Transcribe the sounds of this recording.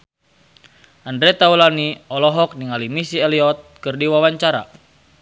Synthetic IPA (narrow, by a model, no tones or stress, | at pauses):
ʔandɾɛt̪aulaniɔlɔɦɔk̚niŋalimisiɛliɔt̪̚kɨrdiwawaɲt͡ʃaɾa̰